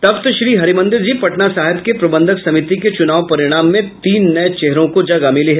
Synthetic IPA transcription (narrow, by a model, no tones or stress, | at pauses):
t̪ɐpt̪ʃɾiːɦɐɾimɐ̃nd̪ɪɾd͡ʒiːpɐʈnasaːɦɪbkepɾɐbə̃nd̪ʱəksɐmɪt̪iket͡ʃʊnaːʋpɐɾɪɽ̃aːmːẽt̪iːnːɐt͡ʃɛɦɾõkod͡ʒɐɡamɪliɦɛ